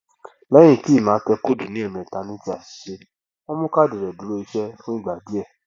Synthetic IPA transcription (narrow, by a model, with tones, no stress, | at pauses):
lɛ̃˨˦ĩ˦˨ti˨˦˨mãː˨˦kɛ˧ko˦˨du˨nĩ˨˦ɛ˦˨mĩ˨ta˧nĩ˦ti˦a˨ʃi̥˨ʃe˦ | wɔ˦mũ˦ka˦˨dɛ˨ɾɛ˨du˨˦ɾo˦i˧ʃɛ˦fũ˦i˦˨ɡ͡ba˨bi˨˦ɛ˦˨